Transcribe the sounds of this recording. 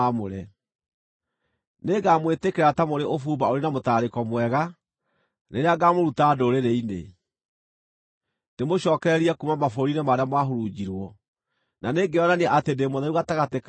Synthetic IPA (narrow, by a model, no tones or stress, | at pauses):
moɾɛ | neɡamwetekeɾatamoɾeʔofuːbaoɾenamotaːɾekɔmwɛɣa | neɾeaɡamoɾutaːdoɾeɾeinḛ | temoɕɔːkɛɾɛɾiɛkumamafoɾinɛmaɾeamwaɦoɾud͡ʑiɾwɔ | naneɡeɔnaneaʔatendemoðɛuɣataɣatek